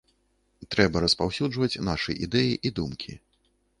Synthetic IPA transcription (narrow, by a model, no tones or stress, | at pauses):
t̪ɾɛbɐɾɐspawsʲuʐvɐt͡sʲnaʂɨjʔid̪ɛjiʔid̪umkʲʰḭ